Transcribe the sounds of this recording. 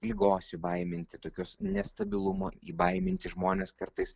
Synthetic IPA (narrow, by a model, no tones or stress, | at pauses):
lʲiɡoːsʲɪbɐɪmʲɪnʲt̪ʲɪt̪oːkʲoːsnʲɛst̪ɐbʲɪlˠʊmoːiːbɐɪmʲɪnʲt̪ʲɪʒmoːnʲeːskɐɾt̪ɐɪs